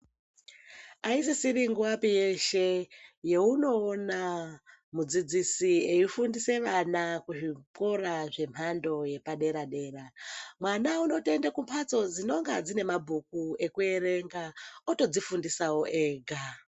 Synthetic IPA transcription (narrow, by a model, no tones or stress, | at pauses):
ais̬isiɾiŋɡuwapijeʃe̞je̞uno̞ːna | mud͡zid͡zisieifundise̞ʋanakuʐipo̞ɾaʐe̞m̤ando̞je̞paɗe̞ɾaɗe̞ːɾamwanauno̞te̞ndekumpʰat͡so̞d͡zino̞ŋɡa̰d͡zine̞mabʱuk̚ue̞kue̞ɾe̞ŋɡaoto̞d͡zifundisawoʔeːɡʱa